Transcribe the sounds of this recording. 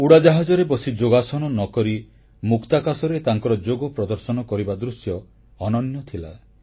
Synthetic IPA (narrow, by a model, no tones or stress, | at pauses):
uɽad͡ʒaɦad͡ʒɔɾebɔsid͡ʒoɡasɔnɔnɔkɔɾi | mukt̪akasɔɾet̪aŋkɔɾɔd͡ʒoɡɔpɾɔd̪ɔɾsɔnɔkɔɾibad̪ɾusjɔː | nɔnjɔt̪ʰila̰